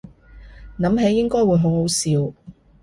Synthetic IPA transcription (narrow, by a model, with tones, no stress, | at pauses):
nɐ˨˥mɦe˨˥jːɪ˥ŋkɔː˥jwuː˨˧˥jɦo˨˥wɦo˨˥wsiː˨˥w